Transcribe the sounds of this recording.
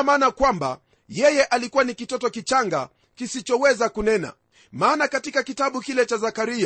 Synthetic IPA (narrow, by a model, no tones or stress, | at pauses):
maːnakwamba̰ | jɛjɛʔalikuwanikitɔtɔkit͡ʃaŋɡa̰ | kisit͡ʃɔwɛzakunɛna̰ | maːnakatikakitaɓukilɛt͡ʃazakaɾia